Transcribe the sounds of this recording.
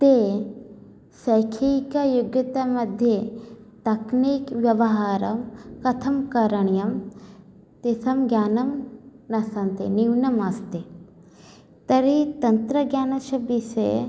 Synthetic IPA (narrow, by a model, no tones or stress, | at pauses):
t̪eː | sɐjkʰikɐjuɡjɐt̪ɐmɐd̪ʱjet̪ɐknikʋjɐʋɐɦaːɾɐmkɐt̪ʰɐmkɐɾɐɳjɐm | t̪isɐmɡjaːnɐmnɐsɐnt̪eniwnɐmɐst̪e | t̪ɐɾit̪ɐnt̪ɾɐɡjaːnɐʃɐbisḛ